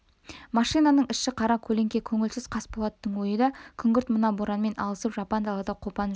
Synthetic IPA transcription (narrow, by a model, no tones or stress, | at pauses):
mɑʃijnɑnəɴɪʃːɪqʰɑɾɑkʲʰɵle̞ŋkʲe̞kʲʰɵŋɪlsɪz̥qʰɑsbolˠɑt̪ːəɴwo̞jəd̪ɑkʲʰʏŋɡʲɪɾt̪mənɑboɾɑnme̞nʔɑlˠəsəpʒɑpɑnd̪ɑlˠɑd̪ɑqʰo̞pɑn